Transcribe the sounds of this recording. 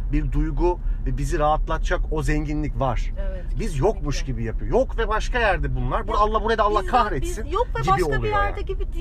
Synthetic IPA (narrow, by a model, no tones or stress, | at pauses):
biɾd̪ujɡuvɛbiziɾaɦat̪lˠat̪̚t͡ʃʰako̞zɛɲɟinlʲicvaɾ̥bizjo̞kmuʃɟibijapʰɯjojo̞kvɛbaʃkajæɾd̪ɛbunlˠaɾbuɾalˠːabuɾad̪alˠːahkʰahɾɛt̪sink̪ɛbiolˠuɾ̰aibi